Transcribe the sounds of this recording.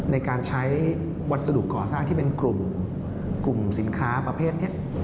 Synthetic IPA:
na˧jkaː˧nt͡ɕʰa˦˥j | wa˦˥t̪̚sa˧du˨˩kːɔː˨˩saː˥˩ŋt̪ʰiː˥˩pe˧nklu˨˩m | klu˨˩msi˩˦nkʰaː˦˥pɾa˧pʰeː˥˩t̪̚ni˥˩ɐʔ

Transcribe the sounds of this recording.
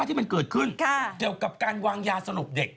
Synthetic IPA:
t̪ʰiː˥˩ma˧nkɤː˨˩t̪̚kʰɯ˥˩nkʰki˨˩əwka˨˩p̚kaː˧nwaː˧ŋjaː˧sa˧ɾu˨˩p̚de˨˩k̚

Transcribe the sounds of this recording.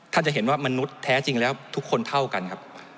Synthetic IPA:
t̪ʰaː˥˩t͡ɕa˨ʔɦe˩˦nwaː˥˩ma˧nu˦˥t̪ʰːɛː˦˥t͡ɕi˧ŋlɛː˦˥wt̪ʰu˦˥kʰːo˧nt̪ʰa˥˩wka˧nkʰa˦˥p̚

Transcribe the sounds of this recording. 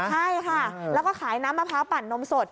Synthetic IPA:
t͡ɕʰa˥˩jkʰa˥˩lɛ˦˥wkɔː˥˩kʰaː˩˦jnaː˦˥mːa˧pʰaː˦˥wpa˨˩nːo˦˥mso˨˩t̪̚

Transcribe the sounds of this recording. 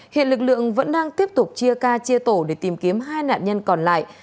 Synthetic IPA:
hḭ˧˨nlɨ˨˩k̚lɨ̰˧˨əŋvə̰˧˥nɗaː˧ŋt̪i˦˥əp̚t̪ʊ˨˩k͡p̚t͡ɕi˧əkaː˧t͡ɕi˧ət̪o˧˩ɗe˧˩t̪i˨˩mki˨˦əmɦaː˧jna̰ː˧˨nɲə˧nkɔ˨˩nla̰ː˧˨jʔ

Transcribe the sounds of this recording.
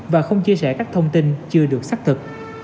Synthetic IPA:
vaː˨˩xə˧wŋ͡mt͡ɕi˧əsɛ̰ː˧˩kaː˦˥k̚t̪ʰə˧wŋ͡mt̪i˧nt͡ɕɨ˧əɗɨ˨˩ək̚saː˦˥k̚t̪ʰɨ˨˩k̚

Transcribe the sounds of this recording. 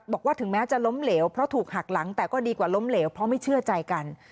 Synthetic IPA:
bɔː˨˩kwaː˥˩t̪ʰɯ˩˦ŋmɛː˦˥t͡ɕa˨˩lo˦˥mleː˩˦˥wpʰɾɔ˦˥t̪ʰuː˨˩k̚ha˨˩k̚la˩˦ŋt̪ɛː˨˩kɔː˥˩diː˧kwaː˨˩lo˦˥mleː˩˦wpʰɾɔ˦˥ma˥˩jt͡ɕʰɯ˥˩ət͡ɕa˧jka˧n

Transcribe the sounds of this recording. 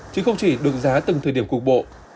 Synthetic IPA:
t͡ɕɨ˨˦xə˧wŋ͡mt͡ɕi˧˩ɗɨ˨˩ək̚zaː˨˦t̪ɨ˨˩ŋt̪ʰəː˨˩jɗi˧˩əŋ͡mkʊ˨˩k͡p̚ɓo̰˧˨ʔ

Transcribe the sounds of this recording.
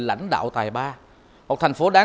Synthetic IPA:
la̰˧˥˨jŋ̟ɗa̰ː˧˨wt̪aː˨˩jɓaː˧ | mo˨˩t̪ʰŋ̟fo˨˦ɗaː˨˦

